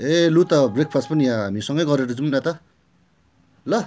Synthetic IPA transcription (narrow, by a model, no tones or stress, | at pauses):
elut̪ʌbrek̚pʰaspʌnijãɦamisʌŋɡʌjɡʌɾeɾʌd͡zumnat̪ʌ | lʌ